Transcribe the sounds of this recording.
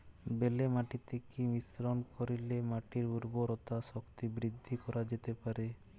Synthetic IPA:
belemaʈit̪ekimisɾonkoɾilemaʈiɾuɾɡoɾot̪aʃokt̪ibɾid̪ʱːikɔɾad͡ʑet̪epaɾe

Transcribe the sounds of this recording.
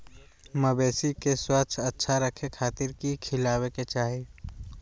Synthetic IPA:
məbeːsikeswət͡ʃʰətːʃʰaɾəkʰekʰaːt̪ɪɾkikʰɪlaːweket͡ʃaːɦi

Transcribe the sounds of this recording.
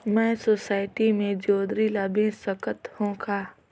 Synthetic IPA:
mɛ̃ːsoːsaːɪʈimẽd͡ʒoːd̪ɾilabĩnsəkət̪hõːkʰaː

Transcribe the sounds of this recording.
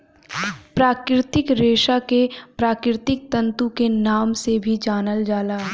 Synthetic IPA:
pɾaːkɾɪt̪ɪkɾeːʃakepɾaːkɾɪt̪ɪk̚t̪ɐ̃nt̪ukenaːmsebʱid͡ʒaːnəld͡ʒaːlaː

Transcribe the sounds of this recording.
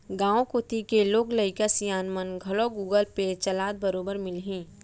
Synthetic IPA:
ɡãːõkoːt̪ikeloːɡləɪkasijaːnmənɡʱɐloɡuːɡəlpet͡ʃɐlaːd̪̚bəɾoːbəɾmɪlɦĩː

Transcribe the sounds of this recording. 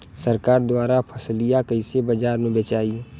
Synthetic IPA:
səɾkaːɾd̪waːɾapʰəslijakəɪsebəd͡ʒaːɾmẽbet͡ʃaːi

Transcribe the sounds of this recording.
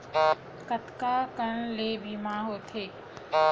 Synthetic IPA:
kət̪kakəɳleːbʱimãɦoːt̪ʰeː

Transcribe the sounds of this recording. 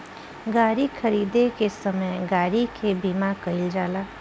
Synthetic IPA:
ɡaːɾikʰəɾiːd̪ekesɐməjɡaːɾikʰebiːmakəɪld͡ʒaːlaː

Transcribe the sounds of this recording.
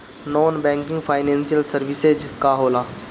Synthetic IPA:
nɔːnbɛ̃ːŋkɪ̃ŋɡpʰaːɪnɛ̃ːnsijəlsəɾʋɪsed͡ʒkaɦoːlaː

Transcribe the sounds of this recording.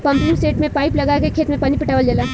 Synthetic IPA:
pɐ̃mplumsʈeːʈmẽpaːɪplɐɡakekʰeːt̪mẽpaːnipɪʈaːʋəld͡ʒɐlaː

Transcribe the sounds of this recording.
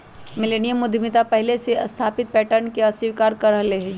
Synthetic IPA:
mɪleːnijəmːʊd̪ʱmɪt̪apɛɦleseɐ̰st̪ʰaːpɪt̪̚pɛːʈəɾnkeɐsɪʋkaːɾkɐɾəɦleɦ

